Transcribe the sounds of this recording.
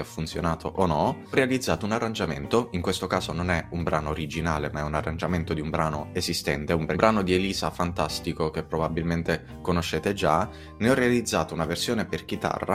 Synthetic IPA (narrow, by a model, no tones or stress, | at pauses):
ɔfːunsjonaːt̪ʰoʔonɔ | rːealid̪zːaːt̪ounarːand͡ʒament̪oiŋkwest̪okaːzononɛumbɾʔaːnoːɾid͡ʒinaːlemaɛunarːand͡ʒament̪od̪iumbɾaːnoezist̪ɛ̰nt̪eumbɾbɾaːnod̪ieliːzafant̪ast̪ikok̟epːɾobabilment̪e | konoʃːeːt̪ed͡ʒa | neɔrːealid̪zːaːt̪ounaversjoːneperk̟it̪a̰rːa̰